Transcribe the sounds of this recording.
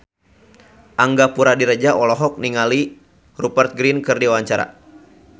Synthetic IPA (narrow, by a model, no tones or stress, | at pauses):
ʔaŋɡapuɾadiɾəd͡ʒaʔɔlɔɦɔk̚niŋali | rupərt̪̚ɡɾinkɨrdiwaɲt͡ʃaɾa̰